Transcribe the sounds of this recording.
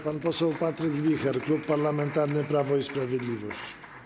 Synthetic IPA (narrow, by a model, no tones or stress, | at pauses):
panpɔsɛwpat̪ɾɘɡvʲixɛɾklupːaɾlamɛnt̪aɾnɘpɾavɔispɾavʲjɛd̪lʲivɔɕt͡ɕ